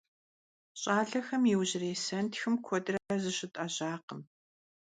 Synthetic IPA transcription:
ɕʼaːɮɐxɐmjiwʑɪreːsɐntʰxɨmkʷʰɔdɨrɐrɐzɨɕɪtʼɐʑaːqəm

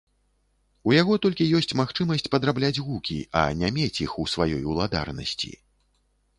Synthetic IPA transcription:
ujaɣɔt̪ɔlʲkʲijɔsʲt͡sʲmaxt͡ʂɨmɐsʲt͡sʲpɐd̪ɾablʲad͡zʲɣukʲḭɐ̰nʲamʲet͡sʲixusvajɔjulˠad̪a̰rnɐ̰sʲt͡sʲḭ

